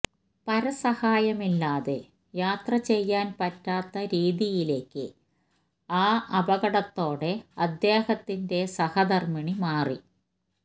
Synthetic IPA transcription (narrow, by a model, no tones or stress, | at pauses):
pɐɾɐsɐhaːjɐmilːaːðe | jaːt̪rɐt͡ɕe̞jːaːnpɐtːaːt̪ːɐɾiːðijile̞ːkːɨ̰ | aːʔɐbɐɣɐɽɐt̪ːo̞ːɽe̞ɐd̪jeːhɐt̪ːinde̞sɐhɐd̪ɐrmiɳimaːri